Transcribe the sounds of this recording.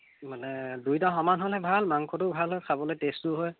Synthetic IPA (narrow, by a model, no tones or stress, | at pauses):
manɛdujtaxɔmanɦolɛbʱalmaŋkʰɔtʊbʱalɦojkʰabɔlojtestʊɦoj